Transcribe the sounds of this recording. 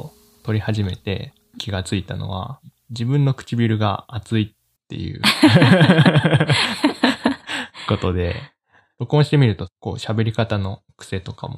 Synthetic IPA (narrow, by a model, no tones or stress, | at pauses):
t̪o̞ɾʲihaʑime̞t̪e̞̰ | kʲiɡat͡sɨit̪a̰no̞̰βa̰ | d͡ʑibɯ̟̃nːo̞kɯ̟̥t͡ɕibʲiɾɯ̟ɡa̰at͡sɨit̪ːe̞̰jɯ̟̰ | ko̞t̪o̞d̪e̞̰ | d̥̪o̞kɯ̟õɕi̥t̪e̞mʲiɾɯ̟t̪o̞ko̞̰ːɕabe̞ɾʲikat̪ano̞ | kɯ̟̥se̞t̪o̞ka̰mo̰